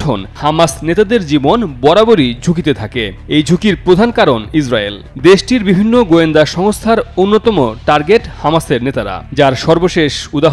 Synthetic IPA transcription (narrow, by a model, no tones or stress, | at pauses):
ʈʰo̰nhamasnet̪ad̪eɾd͡ʑibonbɔɾaboɾid͡ʑʱukit̪et̪ʰake | ejd͡ʑʱukiɾpɾod̪ʱankaɾonis̬ɾael | d̪eʃʈiɾbibʱinːoɡoend̪aʃɔŋst̪ʰaɾonːot̪ɔmoʈaɾɡeʈhamaseɾnet̪aɾa̰d͡ʑaɾʃɔɾboʃeʃud̪aɦ